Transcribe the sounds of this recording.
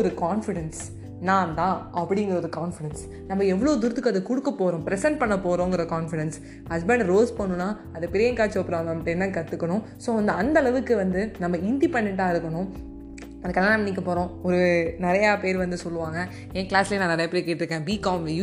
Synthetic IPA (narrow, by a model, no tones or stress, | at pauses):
ɔɾɯkaːnfɪɽɛns | nãːnt̪ãːʔɐpːɐɽɪŋɡɪɾɐɔɾɯkaːnfɪɽɛns | nɐmːɐɛʋːɐɭoːd̪ʊɾɯt̪ːɯkːɐðɯkʊɽɯkːɐpːoːɾõːpɪɾɛsɛɳʈ̚pɐɳːɐpːoːɾõːɪŋɡɐɾkaːnfɪɽɛns | hɐsbɛɳɖɾoːspɐɳːɯnːaː | ɐðɐpɪɾɪjɐ̃ŋkaːt͡ʃːoːpːɪɾaːŋɡɐmɐʈːɐɛnːɐkɐt̪ːɯkːɐɳʊ̃ | soːʋɐnd̪ɯɐnd̪ɐɭɐʋɯkːɯʋɐnd̪ɯnɐmːɐɪnd̪ipɐɳːɪʈːaːɪɾɯkːɐɳʊ̃ | ɐðɐkːɐlːaːnɐmɐnːiːk̬ːɐpoːɾõːɔɾɯnɪɾɐjaːpeːɾʋɐnd̪ɯsɔlːɯʋãːŋɡɐ | ẽːkɪɭaːsɪleːnãːnɪɾɐjɐpeːɾkeːʈːɪɾɯkːẽːbiːkaːm